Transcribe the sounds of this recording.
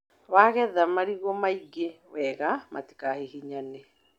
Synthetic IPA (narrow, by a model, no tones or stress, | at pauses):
waɣɛðamaɾiɣɔmaiɡe | wɛɣamʔa̰ti̥kahihiɲane